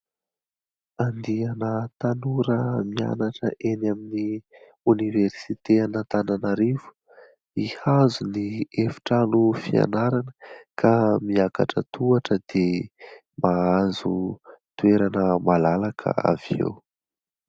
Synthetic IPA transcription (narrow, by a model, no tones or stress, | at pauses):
and̪ianət̪anuɾəmia̰naʈ͡ʂəʔenamini | universit̪eanat̪ananaɾivu̥ | ihazuniefi̥ʈ͡ʂanufia̰naɾanəkʰamiaka̰ʈ͡ʂə̰t̪uaʈ͡ʂəd̪̥e | maazut̪ueɾanəmalalakʰə̰a̰viḛw